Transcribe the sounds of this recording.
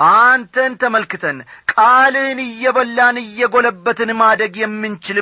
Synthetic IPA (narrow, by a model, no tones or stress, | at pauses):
ʔant̪ʰənt̪ʰəməlkɨt̪ʰənkʼalɨnɨjːɛβəlːanɨjːɛɡo̞ləbːət̪ɨnmad̪ɾəɡjɛmːɨnt͡ʃɪl